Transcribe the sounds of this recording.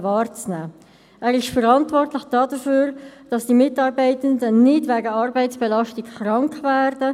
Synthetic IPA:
vɑːɾt͡snæː | ʔɛːɾɪʃfəɾɑntvɔrtləçd̥ɑːdəføːɾd̥ɑsd̥iːmɪtɑːɾbɛɪtəndənɪdvɛːɡəɑɾbɛɪtt͡sb̥ɛlɑʃtɪkχɾɑŋkvæːɾd̥ə

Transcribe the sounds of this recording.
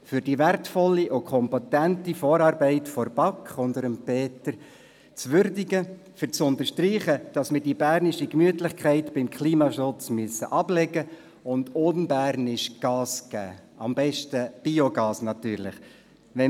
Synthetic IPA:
fʏɾd̥iʋærtfɔlːiʔʊkʰɔmpatæntifoːɾɑːɾbɛɪtfɔɾb̥ɑkχʊndəɾəmpʰeːtəɾ | t͡sʋʏɾdɪɡə | fəɾt͡sʊnt̪əɾʃtriːχəd̥ɑsmɪrdibæːɾnɪʃikmyətlɪχkʰχæɪtbɪmkʰliːmɑʃʊt͡smyəsːə̰ʔɑblɛɡə | ʊndʊnbæɾnɪʃɡ̥ɑːsɡ̥æ̰ː | ɑmbɛʃtəb̥ioɡɑːsnɑtyːɾlɪχ | ʋɛ

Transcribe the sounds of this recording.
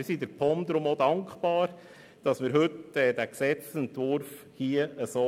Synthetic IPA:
ɪsidəɾpʰɔmd̪ɾʊmodɑŋkχpɑːɾ | d̥ɑsmɪɾɦɵtɛːd̥æksɛt͡sɛntʋʊɾf | hiəəsoː

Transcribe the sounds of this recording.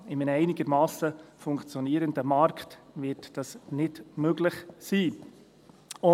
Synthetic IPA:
ɪmənəɛɪnɪɡəɾmɑːsəfʊŋkt͡sjɔniːɾəndəmɑɾktvɪtd̥ɑsnɪdmøɡlɪχsiː | ʊ

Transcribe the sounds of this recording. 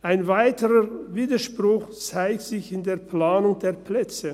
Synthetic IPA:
ʔaɪnvaɪtəʁəviːdɐʃpʁ̥ʊxt͡saɪk̚tz̥ɪçɪndeːɐplaːnʊŋd̥eːɐplɛt͡sə

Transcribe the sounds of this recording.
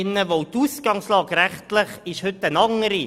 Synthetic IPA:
ɪnːəʋotusɡ̥ɑŋslɑːɡɾæχtləχɪʃhʏtːənɑŋəɾi

